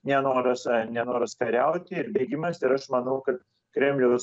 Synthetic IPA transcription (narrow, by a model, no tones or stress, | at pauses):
nʲɛnoːɾɐsnʲɛnoːɾɐskɐɾʲɛʊt̪ʲɪɪɾbʲeːɡʲɪmɐsɪɾɐʃmɐnɐʊkɐt̪ | kɾʲɛmʲlʲɛʊs